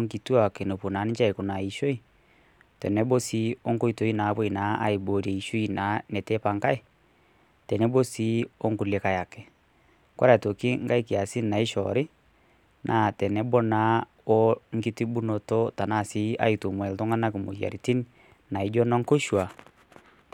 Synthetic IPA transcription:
ŋki˨tu˦a˨ke˨no˨pu˨naː˨˦ni˦t͡ʃa˦i˨ku˨na˨i˨ʃo˦i˦ | tɛ̰˨nɛ˦bo˦si˨˦o˦ŋko˦i˨to˨˦i˦na˨˦bo˦i˨na˨˦a̰˦i˨bo˨ɾɛ˨i˨ʃo˦i˨na˨˦nɛ˨te˦pa˨ŋka˦i˦˨ | tɛ˨nɛ˦bo˦si˦o˦ŋku˨le˨ka˨ja˨kɛ˨ | kwa̰˦ɾa˨to˨ki˦ŋ˦ɡa˦i˦ki˨a˨si˦nna˨i˦ʃɔ̰ɾɪ˦ | nʔa˨tɛ˨nɛ˦bo˦na˨˦ | o˦ŋ˦ɡi˦ti˦bu˦no˨to˦ta˨na˦˨si˦a̰˦i˨to˨mwɛ˨lto˦ŋa˦na˦ki˨mo̰˨ja̰˨ɾi˨ti˦n | na˨i˦d͡ʒɔ˦nɔ˦ŋko˦ʃwa˨

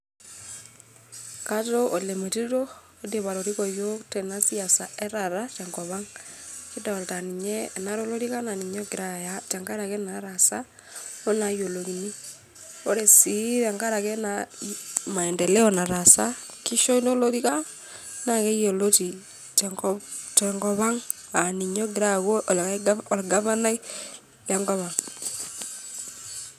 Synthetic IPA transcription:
ka˦to˦o˨le˨me˨ti˦ɾo˦ | o˦de˨βa˨ɾo˨ɾi˦kɔ˨jo˦tɛ˨na˦si˦a˨sa˨ɛ˦ɾa˨ɾa˦t͡ʃa˨ŋɡɔ˨βa˦ŋki˦dɔ˨lta˨ni˨ɲɛ˦˨na˦ɾo˦lo˦ɾi˦ka˦na˨ni˨ɲɔɡe˨ɾa˨ja˦t͡ʃa˨ŋɡa˦ɾa˨kɛ˦na˨ɾa˨sa˦ | o˦na˨jo˨lo˨ɣi˨ni˦ | o˦ɾe˨si˨ða˨ŋɡa˦ɾa˨ɣɛ˦na | ma˨ɛ˨ndɛ˨lɛ˦ɔ˨na˨ɾa˨sa˦ | ki˦ʃo˦i˦do˦lo˦ɾi˦ka˦ | na˨ɣɛ˦jo˨lo˦ti˨ | t | tɛ˨ŋɡɔ˨βa˦ŋ | a˨ni˨ɲo˦ɡi˨ɾa˦ɣo˦ʔllɡa˦βa˦na˦i˦ | ja˦ŋɡɔ˦βa˨ŋ

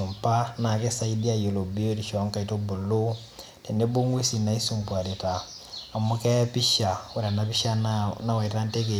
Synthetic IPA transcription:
u˨mpa˦na˨kɛ˦sa˦i˦di˦a˦jo˨lo˨bi˦o˦ɾiʃɔ˨˦ŋka˦i˨to˦bo˨lo˦ | tɛ˨nde˦bo˦ŋwe˦si˨na˨i˦su˨mpwa˨ɾe˨taː˨ | mɔ˦kɛ˦pi˦ʃa˨u˨ɾa˨napiʃa˦na˦wa˨i˨ta˦nte˦k̬e˨

